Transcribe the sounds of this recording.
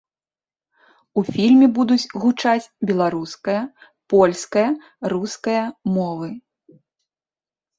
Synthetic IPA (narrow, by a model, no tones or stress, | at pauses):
ufʲilʲmʲɛbud̪ut͡sʲɣut͡ʂat͡sʲbʲɛlˠaɾuskɐjɐ | pɔlʲskɐjɐ | ɾuskɐjɐmɔvɨ